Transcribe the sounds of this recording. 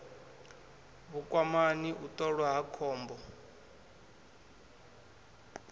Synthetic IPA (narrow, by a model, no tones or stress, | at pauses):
βukʼwamaniʔutʼɔɺwaɦakʰɔːmbɔ